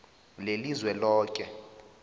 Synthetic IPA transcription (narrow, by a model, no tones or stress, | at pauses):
lelizwɛlɔːkʼɛ